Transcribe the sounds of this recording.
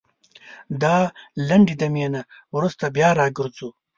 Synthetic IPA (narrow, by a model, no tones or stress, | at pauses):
d̪aːlɐɳɖid̪ɐmijenawɾust̪ɐbjaːɾaːɡɪɾzu